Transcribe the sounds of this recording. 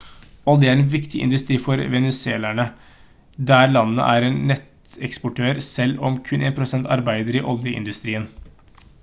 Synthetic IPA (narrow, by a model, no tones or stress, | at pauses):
ɔd̪ɛəæɾɛnʋɪkt̪ʰɪʔɪ̰nd̪ʉst̪ɾiːfɔɾʋɛnɛseːlæɳə | d̪æɾɭɑnnə̰ʔæɾeːnnɛt̪ | ɛkspɔʈʰøːɾsɛlːɔmkʰʉnʔeːnpʰɾʊsɛnt̪ɑɾbæɪd̪əɾiʔɔljəʔɪ̰nd̪ʉst̪ɾiːən